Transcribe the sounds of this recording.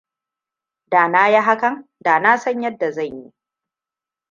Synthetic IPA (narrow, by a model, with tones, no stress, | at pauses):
daː˨naː˦ja˦ɦa˦kɐ˦˨ŋ | daː˨naː˦sɐ˦ɲjɐ˦dːa˨zɐ˦˨ɲji˦